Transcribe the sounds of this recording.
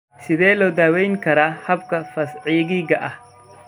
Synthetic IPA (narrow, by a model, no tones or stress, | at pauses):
sɪðɛːlɔːd̪aːwɛjŋkʰɐɾaːhɐbkʰɐfɐsʕiːɣiɣɐʔɐh